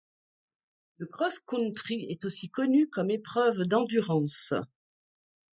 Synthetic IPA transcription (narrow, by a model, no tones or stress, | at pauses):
ləkχɔskũnt̪χiɛt̪osikɔnykɔmepχœvd̪ɑ̃d̪yʁɑ̃s